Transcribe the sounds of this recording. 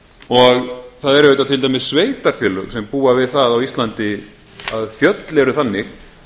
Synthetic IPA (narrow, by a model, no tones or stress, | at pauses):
ɔɣθaðɛɾɛjt̪at̪ʰɪlt̪ajmɪssveːjt̪aɾ̥fjɛlʏksɛmpuːavɪðθaðawist̪lant̪ɪ | aðfjœt̪lɛɾʏθanːɪx